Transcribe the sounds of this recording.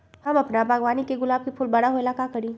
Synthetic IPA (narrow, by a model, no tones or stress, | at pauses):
hɐmɐpnabʱaːɡʋaːnikeɡʊlaːb̚kepʰʊlbɐɽaɦoelaːkakɐɾĩː